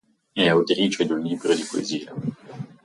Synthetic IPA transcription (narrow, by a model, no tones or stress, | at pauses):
ɛawt̪ɾiːt͡ʃod̪unliːbɾod̪ipoḛziːa